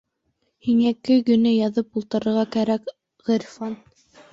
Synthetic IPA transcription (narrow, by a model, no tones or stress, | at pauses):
hiŋækːɘɡɵ̆nɘjɑðɤpulˠt̪ɤ̆ɾɤ̆ɾʁɑkæɾæk | ʁɤ̆ɾfɑn